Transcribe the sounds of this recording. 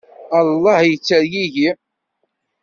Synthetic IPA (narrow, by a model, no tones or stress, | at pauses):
ɑlˤːɑhjət͡sːæɾjiʝi